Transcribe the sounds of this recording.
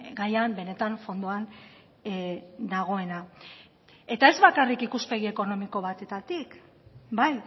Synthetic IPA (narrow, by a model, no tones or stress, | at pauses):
ɡajambe̞ne̞t̪aɱfo̞nd̪uan | d̪aɣ̞o̞e̞na | e̞t̪ae̞zβakarikikuspe̞ɣ̞ie̞ko̞no̞miko̞βat̪e̞t̪at̪ik | baj